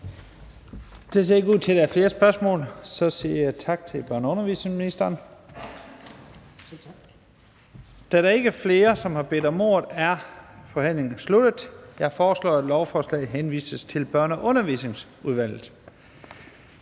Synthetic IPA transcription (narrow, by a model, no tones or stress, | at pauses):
d̥e̝se̝ɐeɡuð̰ˠt͡sʰe̝d̥æɐfle̝ːɐsb̥ɶɐsmɔ̰̽ːlsɒ̽siɐjɑ̈ɪt͡sʰɑ̈ɡ̥̚t͡sʰe̝lb̥ɶɐnɔ̽nɐʋḭːsne̝ŋsminisd̥ɐːn | d̥æɾɑ̈e̝ɡ̥əfle̝ːɐsɒ̽mhɑ̈b̥e̝d̥ɒ̽mo̝̰ːɐð̩ˠæɐfɒ̽hæn̰le̝ŋn̩slud̥əð̩ˠjɑ̈ɪfɒːslɒ̰ːæd̥lɒʊfɒːslɛ̰ːɦenʋḭːsəst͡sʰe̝lb̥ɶɐnɐʔɔ̽nɐʋḭːse̝ŋs | uðˠʋæl̰ð̩ˠ